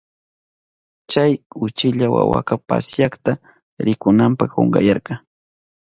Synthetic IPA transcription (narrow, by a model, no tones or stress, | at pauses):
t͡ʃajʊt͡ʃɪʎawa̰wa̰kapasjakt̪a | ɾɪkʊnampɑχo̰ŋɢɑjɑɾkɑ